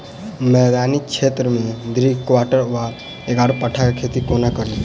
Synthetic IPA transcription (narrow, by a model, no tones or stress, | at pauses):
mɛd̪anit͡ʃʰet̪ɾəmed̪ɾikʋaʈəɾʋa | eɡaɽpəʈʰakakʰet̪ikonakəɾli